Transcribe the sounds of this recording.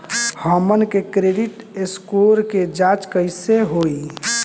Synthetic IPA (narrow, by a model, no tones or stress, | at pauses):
həmənkekɾeɖiʈeskoɾked͡ʒat͡ʃkəɪseɦoi